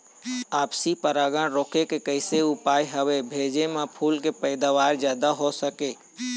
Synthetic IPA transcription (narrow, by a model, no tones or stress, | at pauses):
aːpsipəɾaːɡãɽɾoːkekekəɪseʊpaːjɦəʋebʱeːd͡ʒemãpʰuːlkepəɪd̪aːʋaːɾd͡ʒjaːd̪aɦosəkeː